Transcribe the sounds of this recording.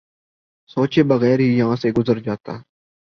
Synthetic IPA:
soːt͡ʃeːbəɣɛːɾɦiːjəɦãːseːɡʊzəɾd͡ʒaːt̪a̰ː

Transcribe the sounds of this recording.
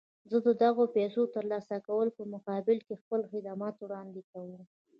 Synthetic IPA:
zəd̪əd̪aɣopesot̪əɾlɑsakawəlpəmʊqɑbɪlkexpəlxɪd̪amɑt̪wɽɑnd̪ekawəm

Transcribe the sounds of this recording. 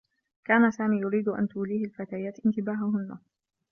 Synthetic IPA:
kaːnasaːmiːjʊɾiːd̪ʔa̰nt̪uːliːhɪlfat̪aːjaːt̪ʔɪnt̪ɪbaːɦʊɦʊnːa

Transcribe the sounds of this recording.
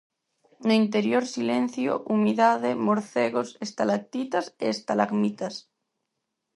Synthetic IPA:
noint̪̬eɾjoɾsilen̟θjo̰ʔumiðaðemoɾθeɣosest̪alak̚t̪it̪aseːst̪alaɣmit̪as

